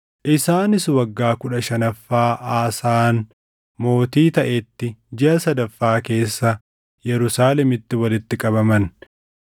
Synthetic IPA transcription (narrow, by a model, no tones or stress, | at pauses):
ʔɪsaːnɪswɐɡːaːkʊᶑɐʃɐnɐfːaːʔaːsaːn | mo̞ːt̪iːt̪ɐʔɛt̪ːɪd͡ʒɛɐsɐd̪ɐfːaːke̞ːsːɐ | jɛɾʊsaːlɛmɪt̪ːɪwɐlɪt̪ːɪkʼɐbɐmɐn